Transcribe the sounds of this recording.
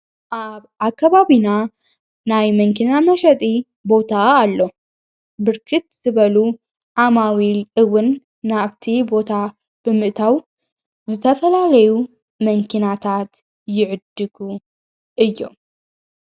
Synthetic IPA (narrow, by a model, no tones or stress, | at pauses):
ʔaβʔakʰːaβaβina | najmɐŋkʰinamɐʃɐt̪ʼi | bo̞t̪ʰaːlːo̞ | bɨɾkʰɨt̪z̥ɨβɐlu | ʕamawilʔɨwɨnː | aβt̪ʰibo̞t̪ʰa | b̥ɨmɨʔt̪ʰaw | zɨt̪ʰɐfɐlalɐju | mɐŋkʰinat̪ʰat̪ | jɪʕɨd̪ɨɡu | ʔɨjːo̰m